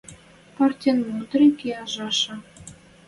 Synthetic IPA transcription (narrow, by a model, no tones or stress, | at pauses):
pɑrtʲenmud̪ɾekeɑʒɑʃɤ̆